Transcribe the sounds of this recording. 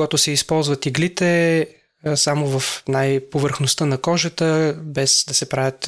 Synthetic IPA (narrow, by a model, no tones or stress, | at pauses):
ɡat̪ʊsɛispɔlˠzvɐt̪iɡlit̪ɛ | samovɐfnajpovəɾxnost̪ənɐkɔʒət̪əbɛzd̪ɐsɛpɾavʲət̪